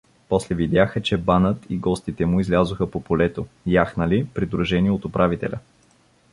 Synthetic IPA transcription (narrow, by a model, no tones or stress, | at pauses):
pɔslɛvid̪ʲjaxət͡ʃɛbanət̪ʰiɡɔst̪it̪ɛmʊizlʲazʊxəpopolɛt̪ojaxnɐlipɾid̪ɾuʒɛniɛot̪ʊpɾʔavit̪ɛ̰lʲə̰